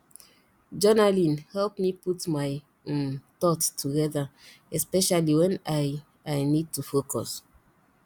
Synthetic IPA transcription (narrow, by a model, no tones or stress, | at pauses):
d͡ʒɔnalĩnhɛlpmiputmaj | mt̪ɔttːuɡɛða | ɛspɛʃaliwɛ̃naj | ajnid̚tufokɔ̰s